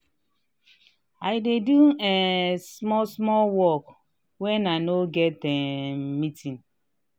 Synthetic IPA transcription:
aɪdeduɛsmɔsmɔlwɔk | wɛnanoɡɛtɛmitĩn

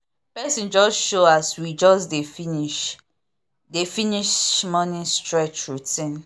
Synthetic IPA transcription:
pɛsĩnd͡ʒɔsʃoaswid͡ʒɔsdefiniʃ | definiʃmɔnĩstɹɛt͡ʃɹutĩn

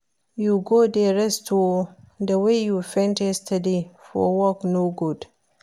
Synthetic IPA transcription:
juɡodɛɾɛsto | dɐwejufɛ̃ntɛstɐdifɔ̰wɔknoɡud

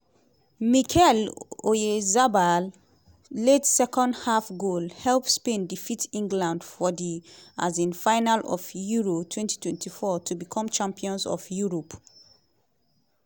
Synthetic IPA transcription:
mikʰɛlojezabalː | edsɛkɔ̃ndhafɡolhɛlpspẽndifitʰĩŋɡlãndfɔdia̰zĩnfãɪnalɔ̰vjuɹotʰwɛ̃nti̥tʰwɛ̃ntʰifɔtʰubikʰɔ̃mt͡ʃãmpiɔ̃nzɔ̰vjuɹɔp

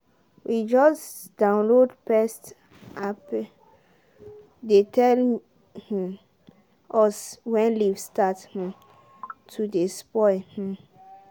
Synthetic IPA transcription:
wid͡ʒɔs | d̥ãʊ̃nlodpɛst | ap | detʰɛl | hĩ | ɔswɛ̃nlivstathĩ | tʰudespɔɪh̩

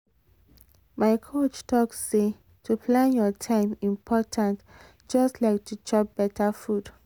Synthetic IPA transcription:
maɪkʰot͡ʃtɔksːe | tʰupʰlãnjɔtʰãɪ̃mĩmpʰɔtʰãnt | d͡ʒɔstlaɪk̚tʰut͡ʃɔp̚b̥ɛtʰafud

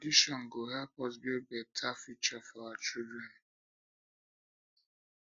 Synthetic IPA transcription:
diʃɔŋ̩ɡoɦapɔs̬bebetʰafit͡ʃafɔat͡ʃubɔn̩

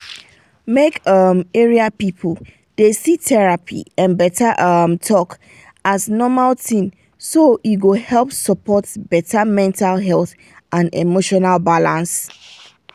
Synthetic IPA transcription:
mekʌmeɹiapipʰl̩ | d̥esitʰɛɹapʰḭãnbɛtʰaʔʌmtʰɔk | aznɔmaltʰĩn | sojuɡohɛlˠpsəpʰɔtbɛtʰamɛ̃ntʰalɦɛlˠθ | ʔãnḛmoʃɔnalbalãns

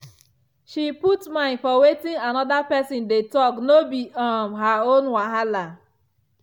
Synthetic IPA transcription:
ʃiputmãɪ̃nfɔwetĩŋanɔdapɛsɔ̃ndetɔknobiɔmɦaonwaɦala

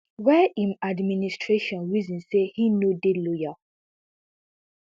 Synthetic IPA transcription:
wɛʔĩmadministʰɹeʃɔ̃nwizĩnsehinodeloja

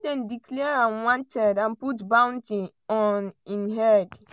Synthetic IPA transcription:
dɛ̃ndikʰlɛɹãnwãntʰɛdãnputbãw̃ntĩ | ɔnĩnɦɛd

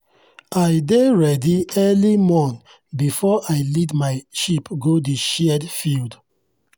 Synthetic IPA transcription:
aɪdeɹɛdiɛlimɔ̃nθ | bifɔʔaɪlitmaɪʃipɡodeʃɛɛdfild

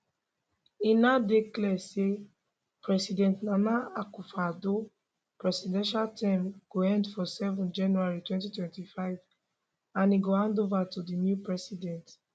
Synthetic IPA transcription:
inadeklɛse | pɹɛsidɛ̃ntnãnaakufado | pɹɛsidɛ̃nʃaltʰɛ̃mɡ̥oɛ̃ndfɔsɛvɔ̃nd͡ʒãnuaɹitwɛ̃ntitwɛ̃ntifaɪv | ãniɡohãndovatudinjupɹɛsidɛ̃nt

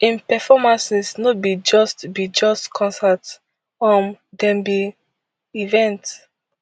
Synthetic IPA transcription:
ĩnpɛfɔmãnsisnobid͡ʒɔstbid͡ʒɔstkʰɔ̃nsat | ɔ̃ndɛ̃mbi | ivɛ̃nt

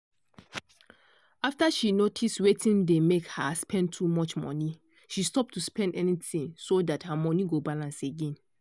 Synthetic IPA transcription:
aftaʃinotʰistwetĩndemekhaspʰɛ̃n̚tʰumɔt͡ʃmɔ̰̃ni | ʃistɔp̚tʰuspɛ̃ndɛnitĩŋsodathamɔniɡobalãnseɡẽn

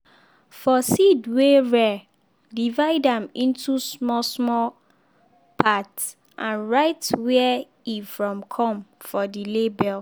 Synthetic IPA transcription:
fɔsidweɹɛ | divaɪdãmĩntʰusmɔsmɔ | pʰats | ʔãnɹaɪtwɛ | ifɹɔ̃mkʰɔ̃mfɔdilebɛl

